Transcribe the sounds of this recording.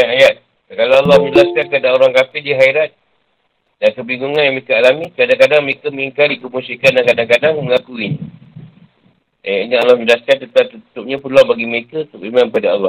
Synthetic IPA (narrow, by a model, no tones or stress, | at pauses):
aajat̪̚ | kalaalːɑhməɲəlaskankadaoɾaŋkafɪldiɦaiɾat̪̚ | dankəbiŋɡuŋãnjaŋməɾekaalamikadaŋkadaŋməɾekaməŋiŋkalikəmusikandankadaŋkadaŋməŋakuin | ajaʔɲaalːɔhmə̃ɲd͡ʒəlaskant̪ət̪at̪ut̪up̚ɲapulawbaɡiməɾekaut̪ʊpimãnkpadaɑ̰lːɔh